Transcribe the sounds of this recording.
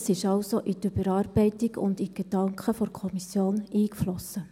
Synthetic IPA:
sɪʃɑʊsoʔityb̥əɾɑːɾbɛɪtiɡʊ̰ndiɡ̥ed̥ɑŋkχəfɔɾkʰɔmisjoːniːkflɔsːə

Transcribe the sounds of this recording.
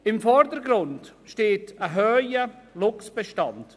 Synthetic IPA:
ɪmfɔɾdəɾɡɾʊntʃteːtəɦøːjəlʊksb̥əʃtɑnt

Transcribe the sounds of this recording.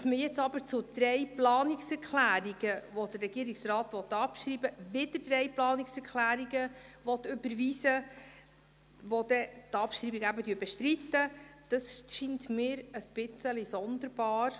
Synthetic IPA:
d̥ɑsməjɛt͡sɑbəɾt͡sʊd̪̥ɾɛjplɑːniksɛɾkʰlæːɾiɡəʋɔdərːɛɡ̥iːɾiksrɑːt̪ʋɔt̪ːɑpʃɾiːbəvɪdədrɛjplɑːniksɛɾkʰlæːɾiɡəʋɔt̪ʏbəɾʋiːsə | ʋɔd̥̪ɛt̪ɑpʃɾiːbiɡæbədyːbɛʃtɾit̪ːəd̥ɑsʃintmɪːɾəsb̥ɪt͡səlisɔnd̪əɾb̥ɑːɾ

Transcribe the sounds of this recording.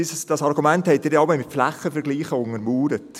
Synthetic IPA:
issd̥ɑsɑɾɡumɛnthɛɪt̚ːɪːdɛɑbəmɪtflæχəfɛɾɡliːχəʊŋəɾmuːɾət

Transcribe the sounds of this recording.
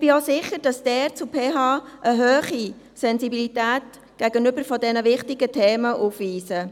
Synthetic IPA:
b̥iosɪχəd̥ɑsd̥ɛːɾt͡supʰeːɦɑːʔəɦøːχi | sɛnsibilitæːt | ɡ̥æɡ̥ənʏbəɾfɔdɛnəʋɪχtɪɡ̥ətʰeːməʔuːfʋiːsə

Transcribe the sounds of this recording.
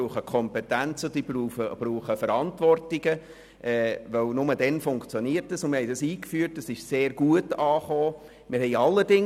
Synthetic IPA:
uːχəkʰɔmpɛtænt͡səd̥iːbuːəb̥ɾuːχəfəɾɑntʋɔrtɪɡ̥ə | ʔɛːʋœwnʊmədɛnfʊŋkt͡sjɔniərtdəsʊnmɪhɛɪdɑsiːkfyːəɾtːəsɪʃseːrɡ̥uətɑːχoː | mɪɾhɛɪɑlːəɾdɪŋ

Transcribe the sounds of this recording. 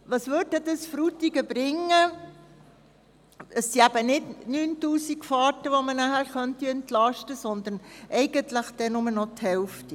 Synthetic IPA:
ʋɑsʋøːd̚dɛd̪ɑsfɾut̪iɡəb̥ɾɪŋːə | əsːiæb̥ənɪdnyːntuːsikfɑːtəʋomənæχæɾχœntiɛntlɑʃtəsɔnd̪ənʔɛɪɡəntləχd̥̪ɛnʊmənɔthɛlfti

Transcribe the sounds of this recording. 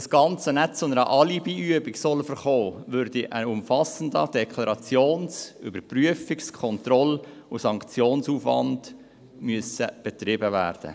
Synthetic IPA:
əsɡ̥ɑnt͡sənɛtt͡sʊnəɾə̰ʔɑlibiyəbiksɔlfəɾχoːʋøɾdiʔənʊmfɑsən̩dəd̥ɛkʰlɑɾɑt͡sjoːnsʏbəɾpryəfɪkskʰɔntrɔlʊsɑŋkt͡sjoːnsuːfʋɑ̰nd̥ | myəsəb̥ɛtrɪbəvæ̰ːrd̥ə̰

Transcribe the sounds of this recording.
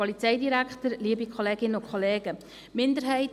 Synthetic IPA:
ɔlit͡sɛɪdiɾækχtəɾliːəbikʰɔleːɡ̥ɪnːəʊkʰχɔleːɡə | mɪndəɾɦɛɪt

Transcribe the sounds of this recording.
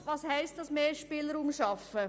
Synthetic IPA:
ʋɑːshɛɪst̚d̥ɑsmeːʃpɪləɾumʃɑfə

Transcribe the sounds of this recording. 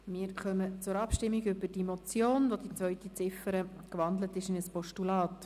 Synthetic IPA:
mɪːɾχœmət͡sʊɾɑpʃtɪmːiɡʏbəd̥imot͡sjoːnʋodit͡sʋœʏtit͡sɪfəɾəkʋɑndlətɪʃɪnəspɔʃtulɑːt

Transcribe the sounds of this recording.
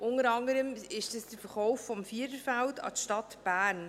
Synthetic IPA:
ʔʊnəɾɑŋdəɾəmɪʃdəsd̥əfəɾχɔʊfːɔmfiːdəɾfældɑ̰tʃtɑtb̥æːɾn

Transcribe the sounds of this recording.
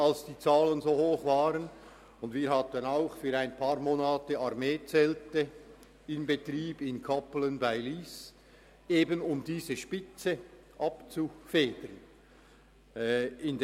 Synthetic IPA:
alsd̥iːt͡saːlənzoːhoːχvaːʁən | ʊndviːɾhɑtənaʊxfyːɾaɪnpʰɑːʁmoːnaːtəɑʁmeːt͡sɛltə | ɪnbetriːbɪnkʰɑplənbaɪliːs | eːbənʊmdiːzəʃpɪt͡sə | ʔɑpt͡sufeːdəɾn | ɪnd

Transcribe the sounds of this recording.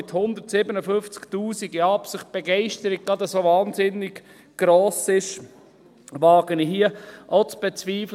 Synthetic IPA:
ɪthʊnd̪ətsɪbənəfʏnft͡sktuːsiɡiɑpsɪχt̚b̥ɛɡɛɪʃtəɾik̚ɡɑd̪ɛsovɑːnzɪnɪɡ | ɡ̥ɾoːsɪʃ | ʋɑːɡ̥əniɦiəʔot͡sb̥ɛt͡sviːfl

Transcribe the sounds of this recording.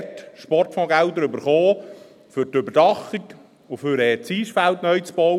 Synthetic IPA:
tʃpɔrtfɔ̃ɡælt̪ɾøbəɾχoː | fʏɾtøbəɾdɑχik | oføɾɛt͡siːʃfæltnœjt͡sb̥ɔw

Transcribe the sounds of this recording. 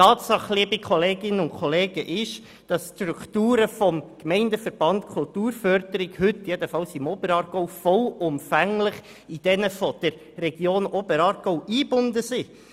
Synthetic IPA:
tɑːtsɑχliəbikʰχɔleːɡɪnəʊnkʰχɔleːɡ̥əʔɪʃ | d̥ɑsstɾuktuːɾəfɔmkmɛɪndəfəɾb̥ɑntkʰʊltuːɾfœɾdəɾɪɡ̥hɵtːjɛdəfɑlsɪmɔbəɾɑːɾɡ̥ɔʊfɔlʊmfæŋlɪχ | id̥ɛnəfɔd̥əɾːɛɡjoːnɔbəɾɑːɾɡ̥ɔʊiːbʊndəsi

